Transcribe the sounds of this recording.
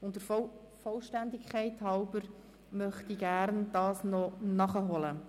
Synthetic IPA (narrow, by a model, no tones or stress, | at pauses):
ʊndəɾ | fɔlʃtændɪkʰχɛɪthɑwbəɾ | mœχtiɡæɾnd̥ɑːsnɔnɑχəɦɔlə